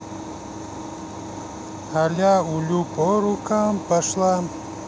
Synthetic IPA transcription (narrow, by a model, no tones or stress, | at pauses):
haljaːulupoɾukampəʂlam